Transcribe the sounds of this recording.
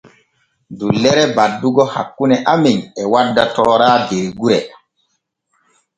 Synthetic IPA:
dulːɛɾɛbadːuɡɔha̰kːunɛʔamiŋɛwadːatɔɾaːdeɾɡuɾɛ

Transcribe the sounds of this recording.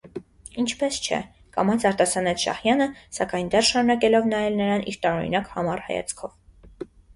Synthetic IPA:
int͡ʃʰpɛst͡ʃʰɛ̰ | kɑ̰mɑt͡sʰɑɾt̪ɑsɑnɛt͡sʰʃɑ̰hjɑnəsɑkɑjnd̪ɛrʃɑɾunɑkɛlɔvnɑjɛlnəɾɑnʔiɾt̪ɑɾɔɾḭnɑkhɑmɑrhɑ̰jɑ̰t͡sʰkʰɔv

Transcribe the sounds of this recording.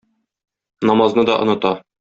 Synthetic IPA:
nɒmɑznɤd̪ɒ̰ʔŏnɤ̆t̪ɑ

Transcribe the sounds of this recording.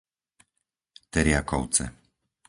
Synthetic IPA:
t̪ɛɾjakɔʊt͡sɛ̰

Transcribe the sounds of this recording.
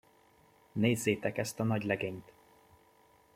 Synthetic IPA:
neːzːeːt̪ɛkɛst̪ɒnɒɟlɛɡeːɲt̪

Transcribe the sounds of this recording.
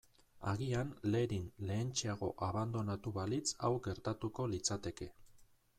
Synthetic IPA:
a̰ɣianle̞ɾinle̞ːnt͡ʃeaɣ̞o̞ʔaβand̪o̞nat̪uβalit͡sawɡe̞ɾt̪at̪uko̞lit͡sat̪e̞ke̞

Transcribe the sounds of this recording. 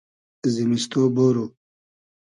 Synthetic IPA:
zimist̪oːboːɾo

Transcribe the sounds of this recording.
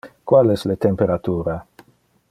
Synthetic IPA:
kwalɛslet̪empeɾat̪uːɾa

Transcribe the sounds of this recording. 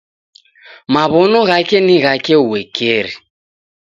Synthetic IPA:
maβɔnɔɣakʼɛniɣakʼɛwɛkʰʼeːɾi

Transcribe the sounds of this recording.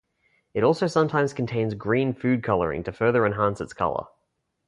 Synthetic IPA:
ɨɾɔˑlˠsəʊsʌ̃mtʰãɪ̃mz̥kʰn̩tʰẽɪ̃nzɡɹĩnfʉd̚kʰʌlˠə̰ɹɪ̰̃ŋtʰɨfɜ˞ðə˞ɨ̃nɦæ̃nsɨtskʰʌ̰lˠə̰

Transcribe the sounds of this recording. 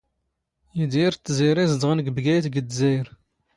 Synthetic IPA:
jid̪jiɾt̪ːziɾizəd̪ʁənəɡbɡæjt̪ɡəd̪zæjɾ

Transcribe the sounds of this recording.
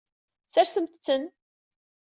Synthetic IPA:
sæɾsəmt̪t͡sːən

